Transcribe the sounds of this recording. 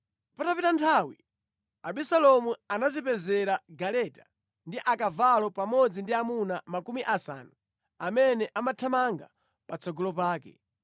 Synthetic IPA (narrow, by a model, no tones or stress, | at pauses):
patapitantʰawi | aɓisalɔmuanazipɛzɛɾaɡalɛta | ndiʔakavalɔpamɔd͡zindiamunamakumiʔasa̰ːnu | amɛnɛʔamatʰamaŋɡa̰ | pat͡sɔɡɔlɔpaːkɛ̰